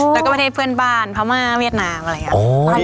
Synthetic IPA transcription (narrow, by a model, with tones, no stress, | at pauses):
lɛ˧˦˩kaː˥˩pt̪ʰeː˥˩pʰɯ˧˥˩ənbaː˧˥˩npʰa˧˩wmaː˧˥˩wi˥˩ət̪̚naː˦˥mʔʔoː˧